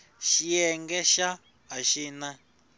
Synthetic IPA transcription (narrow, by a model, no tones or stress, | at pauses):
ʃijɛŋɡɛʃa | ɦaʃiːna